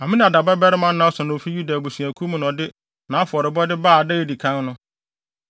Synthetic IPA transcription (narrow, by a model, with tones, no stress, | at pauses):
a˨mɪ̃˦ñ˨a˨da˨ba˦bɛ˦ɾɪ˦mã˦nːã˨˦sʊ˨nʊ̃˨o˨fi˦ju˦da˨bu˨sɥæ˨kʰu˦m̃˦nɔ̃˨dɪ˦ | nã˨˦fʊ˨ɔ˨ɾɪ˨bɔ˦dɪ˦baː˦˨a˨dɪ˦ɣe˦˨di˨kʰã˦nnʊ̃˦